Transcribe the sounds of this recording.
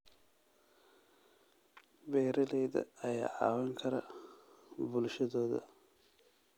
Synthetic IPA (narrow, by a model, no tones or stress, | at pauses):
bɛːɾɐlɛjðɐ̰ɐja̰ːʕɑ̰ːwɛŋkʰɐɾɐ | bʊlʃɐðɔːðɐ̰